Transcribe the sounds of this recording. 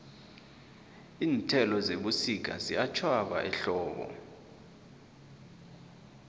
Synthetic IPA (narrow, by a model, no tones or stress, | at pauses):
iːntʼʰɛlɔzeɓusik̬ʰʼa̰ziat͡ʃʰwaɓa̰ʔɛɬɔːɓɔ̰